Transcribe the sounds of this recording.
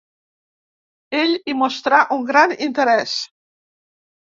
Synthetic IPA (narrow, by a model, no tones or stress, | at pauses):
eʎimost̪ɾaʔuŋɡɾanint̪əɾɛs